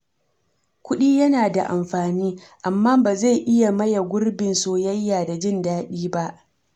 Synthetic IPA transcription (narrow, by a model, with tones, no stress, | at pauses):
kʷʊ˦ɗiː˦jɐ˦naː˨da̰˨ʔa̰˨mɸaː˨niː˦ʔa˨mːaː˦baː˨za˦˨jʔɪ˦ja˨mɐ˦ja˨ɡʷʊ˦rbɪ˨nsoː˦jɐ˦jːaː˨da˨d͡ʒɪ˦ndaː˦ɗiː˦ba˦ʔ